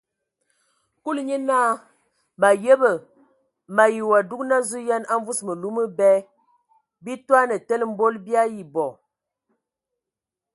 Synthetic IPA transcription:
ku˦lɲə˦naː˦ | ma˨je˦bə˨ | ma˨ji˨wa˨du˦kna˦zu˦ja˦na˦ɱ˦vu˦smə˨lu˦mə˦bɛ˦ | bi˦twa˦nə˨tə˦lm̩˦bo˦lbja˦ji˨bɔ˨

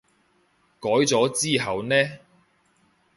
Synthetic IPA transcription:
kɔː˨˥jt͡sɔː˨˥t͡siː˥ɦɐ˨wnɛː˥

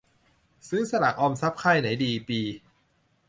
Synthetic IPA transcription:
sɯ˦˥sa˧la̰˨˩k̚ʔɔː˧msa˦˥p̚kʰa˥˩jna˩˦jdiː˧piː˧

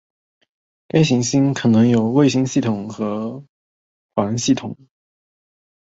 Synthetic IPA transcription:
ka˥ɪɕi˧˥ŋɕi˥nkʰɤ˨˩nɤ˧˥ŋjo˨˩ʊwe˥˧ɪɕi˥ŋɕi˥˩t̪ʰʊ˨˩ŋxɤ˧˥ | xwa˧˥ə˧˥nɕi˥˩t̪ʰʊ˨˩˦ŋ

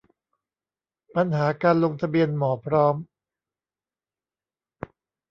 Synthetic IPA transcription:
pa˧nɦaː˩˦kaː˧nlo˧ŋt̪ʰa˧bi˧ənmɔː˩˦pʰɾɔː˦˥m

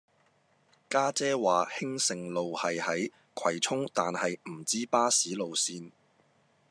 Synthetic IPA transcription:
kaː˥t͡sɛː˥waː˨hɪ˥ŋsɪ˨ŋlo˨whɐ˨jhɐ˨˥j | kʰɐ˨˩jt͡sʰʊ˥ŋt̪aː˨nhɐ˨jm̩˨˩t͡siː˥paː˥siː˨˥lo˨wsiː˧n

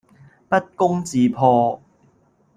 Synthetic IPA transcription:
pɐ˥t̚kʊ˥ŋt͡siː˨˧pʰɔː˧

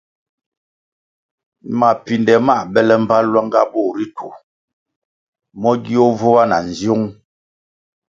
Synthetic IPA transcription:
ma˨pi˨ndɛ˨ma˦˨bɛ˦lɛ˦˨m̩˨pa˦lwa˦ŋɡa̰˦bo˦˨ɾi˦tʰu˨ | mɔ˦ɡi˦o˦vo˦wa˦na̰˨n̩˨zjo˦ŋ

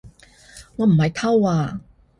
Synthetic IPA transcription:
ŋɔː˨˧˥m̩˨˩hɐ˧jt̪ʰɐ˥waː˧˩

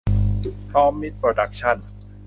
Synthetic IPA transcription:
t̪ʰɔː˦˥mːi˦˥t̪̚pɾo˧da˨˩k̚t͡ɕʰa˥˩n

